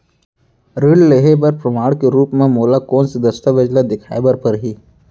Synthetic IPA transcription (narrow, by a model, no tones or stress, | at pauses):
ɾɪɽleɦebɐɾpɾɐmaːɽkeɾuːpmẽmoːlakɔːnsed̪ɐst̪əʋɐd͡ʒlad̪ɪkʰa̰ːebəɾpɐɾɦiː